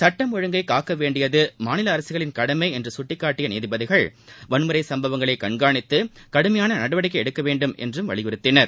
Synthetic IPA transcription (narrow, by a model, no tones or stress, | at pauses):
sɐʈːɐmɔɻɯŋɡɐɪkaːkːɐʋeːɳɖɪjɐðɯmaːnɪlɐːɾɐsɪɣɐɭɪnkɐɽɐmɐɪɛndrɯsʊʈːɪkːaːʈːɪjɐneːðɪbɐðɪɣɐɭʋɐɳɯmɯɾɐɪsɐmbɐʋɐŋɡɐɭɐɪkɐɳɡaːɳɪt̪ːɯkɐɽɯmɐjaːnɐnɐɽɐʋɐɽɪk̬ːɐɛɽɯkːɐʋeːɳɖɯmɛ̰ndrɯmʋɐ̰ɭɪjɯɾɯt̪ːɪnɐɾ